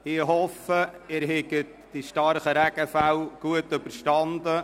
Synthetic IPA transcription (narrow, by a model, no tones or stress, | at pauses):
ɪɦɔfəɪːɾɦɛɡət | d̥iʃtɑɾχəɾæɡ̥əfæwɡ̥uətʏbəɾʃtɑnd̪ə